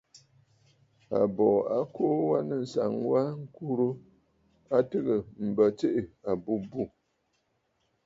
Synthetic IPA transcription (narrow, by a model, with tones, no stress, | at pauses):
a̰˨bɔ˨a˦ko˦wa˦nɨ˦n̩˨sa˨ŋwa˦ŋ̩˦ku˦ɾu˦ | a˦tɨ˦ɣə˨m̩˨bə˨t͡ʃe˦ʔɪ˨a˨bu˦bu˦˨